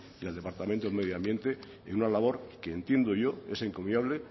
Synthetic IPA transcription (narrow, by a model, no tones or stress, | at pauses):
iald̪e̞paɾt̪ament̪oeme̞ð̞joambje̞nt̪e̞ | ḛnunalaβ̞o̞ɾkeːnt̪je̞nd̪oʝo̞e̞seŋko̞mjaβle